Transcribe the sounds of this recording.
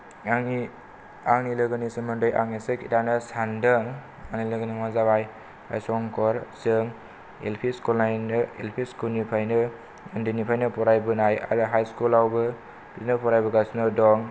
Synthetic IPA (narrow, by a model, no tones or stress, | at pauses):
aŋni | aŋnilɯɡɯnisɯmɯndɯja̰ŋnisɯkitanɯsandɯŋ | aŋnilɯɡɯnimazabaj | a̰jsɔŋkʰɔɾsɯŋ | ḛlpʰiskulnajnɯḛlpʰiskunipʰajnɯ | andɯnipʰajnɯpɔɾajbɯnaja̰ɾɯɦajskulawbɯ | b̥iznepɔɾajbɯɡasnɯdɔŋ